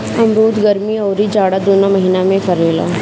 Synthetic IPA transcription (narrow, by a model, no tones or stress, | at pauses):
ɐmɾuːt̪ɡɐɾmiɔːɾid͡ʒaːɽad̪oːnamɐɦiːnamẽfɐɾeːla̰ː